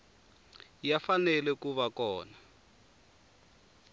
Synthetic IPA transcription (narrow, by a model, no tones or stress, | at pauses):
jafanɛlɛkuβakɔːna